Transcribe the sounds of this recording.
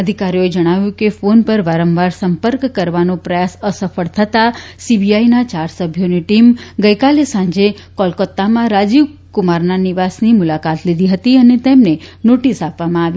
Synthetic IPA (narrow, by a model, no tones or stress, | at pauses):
əd̪ʱikaɾijoed͡ʒəɽ̃aʋjũkefonpəɾʋaɾəmʋaɾsəmpəɾkːəɾʋanõpɾəjasəsəfəɭt̪ʰət̪asibiainat͡ʃaɾsəbʱjoniʈimɡəjkalesãɲd͡ʒe | kɔlkət̪ːamãɾad͡ʒiʋkʊmaɾnaniʋasnimʊlakat̪lid̪ʱiɦət̪iənet̪emnenoʈisapʋamãaʋi